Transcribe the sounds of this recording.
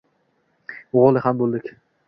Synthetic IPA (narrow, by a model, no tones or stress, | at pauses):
ʊʁɒlˠɪhambolˠd̪ɪkʲ